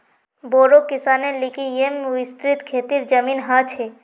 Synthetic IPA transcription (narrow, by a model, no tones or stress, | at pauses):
boːɾokɪsanelikijemuist̪ɾit̪kʰeːt̪iɾd͡ʒəminɦat͡ʃʰe